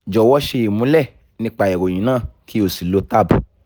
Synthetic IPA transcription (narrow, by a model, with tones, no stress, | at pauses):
d͡ʒɔ˨wɔ˧˦ʃe˧i˨mũ˨˦lɛ˦˨ | nĩ˧˦k͡pa˧˨ɛ˨ɾo˨j̃ĩ˨˦nãː˦˨kʰi˦o˨si˨lo˧˦ta˦˨bu˨